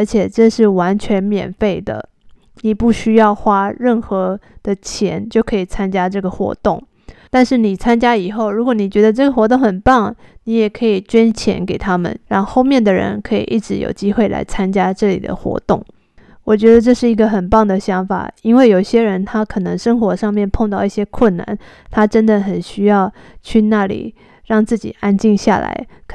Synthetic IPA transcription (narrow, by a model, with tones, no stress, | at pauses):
ə˞˧˥t͡ɕʰjɛ˨˩ʈ͡ʂɤ˥˧ʂɻ̩˥˩wa˧˥nt͡ɕʰɥɛ˧˥nmjɛ̰˨˩nfe˥˩ɪd̪ə̰˩ | ni˨˩pu˥˩ɕy˥jɑ˥˩ʊxwa˥ɻə˥˩nxɤ˧˥d̪̥ə˧t͡ɕʰjɛ̰˧˥nt͡ɕjo˥˩ʊkʰɤ˧˥i˨˩t͡sʰa˥nt͡ɕja˥ʈ͡ʂɤ˥˩ɡə˩xwɔ̰˧˥t̪ʊ˥˩ŋ | t̪a˥˧nʂɻ̩˥˩ni˨˩t͡sʰa˥nt͡ɕja˥i˨˩xo˥˩ʊɻu˧˥kwɔ˧˥ni˨˩t͡ɕɥɛ˧˥d̪ə˧ʈ͡ʂɤ˥˩ɡə˩xwɔ˧˥t̪ʊ˥˩ŋxə˨˩npɑ˥˩ŋni˧˥jɛ˨˩kʰɤ˧˥i˨˩t͡ɕɥɛ˥nt͡ɕʰjɛ̰˧˥nke˨˩ɪt̪ʰa˥mə̰˨nɻɑ˥˧ŋxo˥˧ʊmjɛ˥˩nd̪ə˩ɻə̰˧˥nkʰɤ˧˥ḭ˨˩ʔi˥˩ʈ͡ʂɻ̩˧˥jo̰˨˩ʊt͡ɕi˥xwe˥˩ɪlʔa̰˧˥ɪt͡sʰa˥nt͡ɕja˥ʈ͡ʂɤ˥˩lḭ˨˩d̪ə̰˦xwɔ̰˧˥t̪ʊ̰˥˩ŋ | wɔ˨˩t͡ɕɥɛ˧˥d̪ə˧ʈ͡ʂɤ˥˧ʂɻ̩˥˩i˧˥ɡə˧xə˨˩npɑ˥˩ŋd̪ə˩ɕjɑ˧˥ŋfa̰˨˩i˥nwe˥˩ɪjo˨˩ʊ˩ɕjɛ˥ɻə˧˥nt̪ʰa˥kʰɤ˨˩nɤ˧˥ŋʂə˥ŋxwɔ˧˥ʂɑ˥˧ŋmjɛ˥˧npʰo˥˧ŋt̪ɑ˥˧ʊi˥˩ɕjɛ˥kʰwə˥˩nna̰˧˦n | t̪ʰa˥ʈ͡ʂə˥nd̪ə˨xə˨˩nɕy˥jɑ˥˧ʊt͡ɕʰy˥˧na˥˩lḭ˨˩ | ɻɑ˥˧ŋt͡sɹ̩˥˩t͡ɕḭ˨˩a˥nt͡ɕi˥˧ŋɕja̰˥˩la̰˧˥ɪ